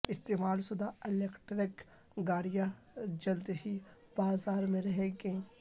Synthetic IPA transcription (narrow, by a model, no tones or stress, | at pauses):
ɪst̪eːmaːlsʊd̪aɪleːkʈɾɪk | ɡaːɾija | d͡ʒɐlt̪ɦi | b̥aːzaːɾmẽɾɐɦeːɡẽː